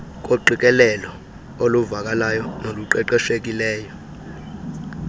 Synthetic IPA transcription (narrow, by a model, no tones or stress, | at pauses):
k̬ʼoǃik̬ʼɛlɛlɔ | oluvak̬ʼalajɔnoluǃɛǃɛʃek̬ʼilɛːjɔ